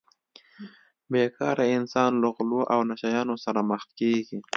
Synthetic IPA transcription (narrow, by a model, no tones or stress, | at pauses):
bekɑːɾaɪnsɑnləɣloʔawnaʃajɑːnosaɾaməxt̪̚keɡi